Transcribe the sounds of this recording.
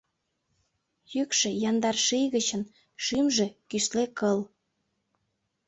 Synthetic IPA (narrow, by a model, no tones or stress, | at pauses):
jykʃĕjɑnd̪ɑrʃijɣət͡ɕən | ʃymʒĕkyʃlekəl